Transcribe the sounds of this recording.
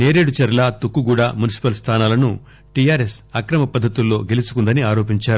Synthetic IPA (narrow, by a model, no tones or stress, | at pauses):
ne̞ːɾe̞ːɽut͡ʃɐɾɐlaːt̪ukːuɡuːɽaːmunisi̥pɐlst̪ʰaːnaːlɐnu | ʈijaːɾesɐkɾɐmɐpɐd̪ʱːɐt̪ulːo̞ːɡelisu̥kund̪ɐniaːɾo̞ːpiɲt͡ʃaːɾu